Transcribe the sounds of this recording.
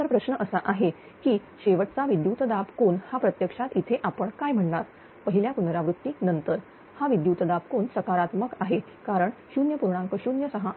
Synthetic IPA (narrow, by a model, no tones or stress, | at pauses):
əɾpɾəɕɳəʔəsaʔaɦe | kiːɕeʋəʈt͡saʋid̪jut̪əd̪apkonhapɾət̪jəkʂat̪it̪ʰeʔapəɳkajm̤əɳɳaɾ | pəɦiljapunɾaʋɾut̪ːiːnənt̪əɾ | haʋid̪jut̪əd̪ab̚konsəkaɾat̪məkaɦe | kaɾəɳɕunjəpuɾɳãŋkəɕunjəsəɦa